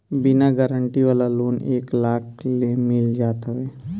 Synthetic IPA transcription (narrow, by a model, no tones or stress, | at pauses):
bɪnaɡəɾəɳʈiʋaːlaloːneːklaːklemɪld͡ʒaːt̪aɦɛː